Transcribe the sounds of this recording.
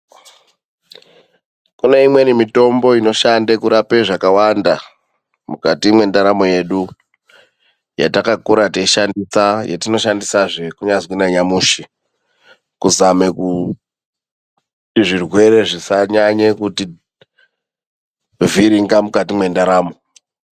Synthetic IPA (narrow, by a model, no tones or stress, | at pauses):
kune̞imwe̞nimito̞mbo̞ino̞ʃandekuɾapeʐakawanda | mukatimwe̞ndaɾamo̞je̞ɗu | jatakakuɾatiiʃandisajetino̞ʃandisaʐe̞kuɲazwinaɲamuːʃi | kuzame̞ku | tiʐirwe̞ɾe̞ʐisaɲaɲekuti | viɾiŋɡamukatimwe̞ndaɾaːmo̞